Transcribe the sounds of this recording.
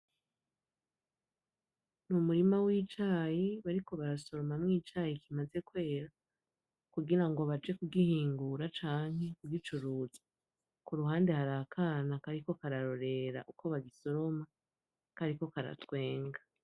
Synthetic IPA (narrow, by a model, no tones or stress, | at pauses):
numuɾimawiːt͡ʃaːjiβaɾiko̞βaɾaso̞ɾo̞mamŋiːt͡ʃajikimaze̞kwe̞ːɾa | kuɡiɾaŋɡo̞βat͡ʃe̞kuɡihiːŋɡuɾat͡ʃaːŋ̥he̞kuɡit͡ʃuɾuːzḁ | kuɾuɦaːnde̞haɾakʰanakaɾiko̞kaɾaɾo̞ɾe̞ɾa̰ʔukʰo̞βaɡiso̞ɾo̞ma | kaɾiko̞kaɾa̰twe̞ːŋɡa